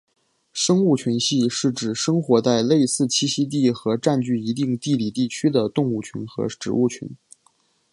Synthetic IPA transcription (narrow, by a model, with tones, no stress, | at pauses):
ʂɤ˥ŋu˥˩t͡ɕʰy˧˥nɕi˥˧ʂɻ̩˥˩ʈ͡ʂɻ̩˨˩ʂɤ˥ŋxwɔ˧˥t͡sa˥˧ɪle˥˧ɪsɹ̩˥˩t͡ɕʰi˥ɕi˥t̪̬i˥˩xɤ˧˥ʈ͡ʂa˥˧nt͡ɕy˥˩i˧˥t̪i˥˧ŋt̪i˥˩li˨˩t̪i˥˩t͡ɕʰy˥d̪ə˨t̪ʊ˥˧ŋu˥˩t͡ɕʰy̰˧˥nxɤ̰˧˥ʈ͡ʂɻ̩˨˩u˥˩t͡ɕʰy̰˧˥n